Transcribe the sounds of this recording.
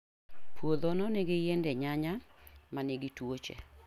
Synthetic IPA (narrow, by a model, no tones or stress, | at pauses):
pwod̪onɔneɡɪjendɛɲaɲamaneɡɪtwot͡ʃḛ